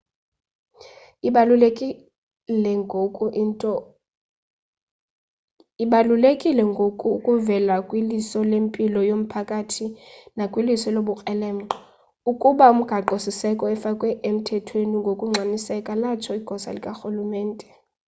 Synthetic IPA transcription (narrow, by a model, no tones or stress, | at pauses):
lɛ | ɔ | iɓalulekʼilɛŋɡʱokʼuukʼuvɛlakʼwilisɔlempʼilɔjom̩pʰakʼatʰinakʼwilisɔloɓukʼɛlɛːm̩ɔ | ukʼuɓaum̩ɡ̥ʱaǃosisɛkʼɔɛfakʼwɛʔem̩tʰɛtʰweniŋɡʱokʼuŋ͡ǀʱanisɛkʼalat͡ʃʰɔiɡ̥ʱɔsa̰likʼaxulumɛːntʼɛ